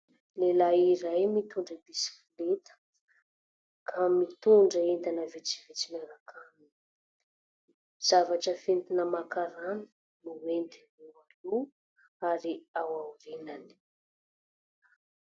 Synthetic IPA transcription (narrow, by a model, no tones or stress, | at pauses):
lelaiɾajmit̪uɳɖ͡ʐəd̪isi̥filet̪ə̥ | kʰamit̪uɳɖ͡ʐəend̪anəvit͡si̥vit͡simaɾakʰanin | z̥avaʈ͡ʂəfent̪inəmakaɾanə̥ | nuwent̪inualu | aɾiawawɾinani̥